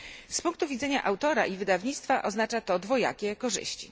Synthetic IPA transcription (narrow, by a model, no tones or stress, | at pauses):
spuŋk̚t̪uvʲid̪zɛɲaʔawt̪ɔɾa̰ʔivɘd̪avɲit̪st̪faʔɔznat͡ʂat̪ɔd̪vɔja̰kʲɛkɔʐɘ̰ɕt͡ɕḭ